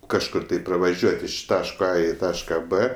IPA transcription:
kɐʃˈkʊr tɐɪ prɐʋɐˈʒʲuɔtʲ ɪʃ ˈtɑːʃkoː ɐ ɪ ˈtɑːʃkɐ p

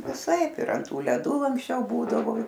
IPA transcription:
ʋʲɪˈsɐɪp ɪr ɐnt ˈtuː lʲɛˈdʊ ɐŋksʲˈt͡ʃʲɛʊ ˈbuːdɐʋoː

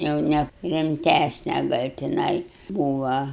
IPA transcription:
jɛʊ ˈnʲɛ rʲɪmʲˈtʲæsʲnʲɛ ˈɡɐlʲ tʲɪˈnɐɪ ˈbuːʋɐ

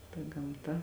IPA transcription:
tɐ ɡɐmˈtɐ

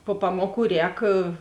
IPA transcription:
poː ˈpɑːmoːˌkuː ˈrʲɛːk

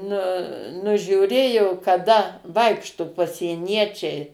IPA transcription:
ˈnʊ nʊʒʲuːˈrʲeːjoː kɐˈdɐ ˈʋɐɪkʃtʊ pɐsʲiɛˈnʲiɛt͡ʃʲɛɪ

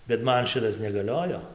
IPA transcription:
bʲɛt ˈmɐn ˈʃʲɪtɐs nʲɛɡɐˈlʲoːjoː

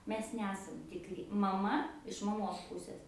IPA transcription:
ˈmʲɛs ˈnʲæːsɐm tʲɪkˈrʲɪ mɐˈmɐ ɪʃ mɐˈmoːs ˈpʊsʲeːs

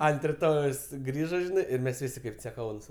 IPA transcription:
ɐnt rʲɪˈtoːjɛʊs ˈɡrʲiːʒɐ ˈʒʲɪnɐɪ ˈɪr ˈmʲɛs ˈʋʲɪsʲɪ kɐɪp t͡sʲɛˈkɐʊnuːs

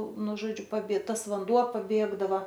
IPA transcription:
ˈnʊ ˈʒoːd͡ʒʲʊ pɐˈbʲiɛ ˈtɐs ʋɐnˈduɔ pɐˈbʲeːɡdɐʋɐ

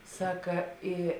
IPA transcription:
ˈsɑːkɐ ˈiː

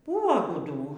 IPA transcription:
ˈbʊʋoː ɡʊˈduː

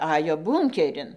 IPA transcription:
ˈɑːjoː ˈbuːŋʲkʲɛrʲɪn

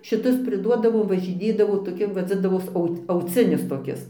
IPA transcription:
ʃʲɪˈtʊs pʲrʲɪˈduɔdɐʋoːm ʋɐʒʲɪˈnʲeːdɐʋoː toːˈkʲɪ ʋɐd͡zʲɪndɐʋoːs ˈɐʊt ɐʊˈt͡sʲɪnʲɪs toːˈkʲɪs

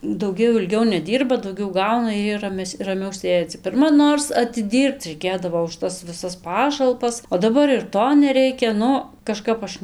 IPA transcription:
dɐʊˈɡʲɛʊ ɪlʲˈɡʲɛʊ nʲɛˈdʲiːrbɐ dɐʊˈɡʲɛʊ ˈɡɐʊnɐ ɪr ˈjiɛ rɐˈmʲɛsʲ rɐˈmʲɛʊ ˈsʲeːd͡zʲɪ pʲɪrˈmɐ ˈnoːrs ɐtʲɪˈdʲiːrpt͡s rʲɛɪˈkʲeːdɐʋoː ʊʃ ˈtɐs ʋʲɪˈsɐs ˈpɑːʃɐlˠpɐs oː dɐˈbɐr ɪr ˈtoː nʲɛˈrʲɛɪkʲɛ ˈnʊ kɐˈʃkɐp ˈɐʃ

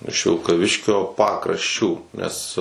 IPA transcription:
ɪʃ ʋʲɪlˠkɐˈʋʲɪʃʲkʲoː ˈpɑːkrɐʃʲˌt͡ʃʲuː nʲɛs

